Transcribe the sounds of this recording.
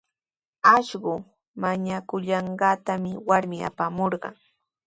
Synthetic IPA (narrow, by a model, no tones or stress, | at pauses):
aʃɢʊ | maɲakʊʎɑɴɢɑːt̪amɪwaɾmɪa̰pamoɾɢɑ̰ŋ